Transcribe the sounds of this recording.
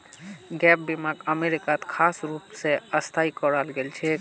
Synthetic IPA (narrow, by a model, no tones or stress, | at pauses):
ɡɛp̚bimakəmeɾikat̪kʰasɾupsẽəst̪ʰaikəɾalɡelt͡ʃʰɛ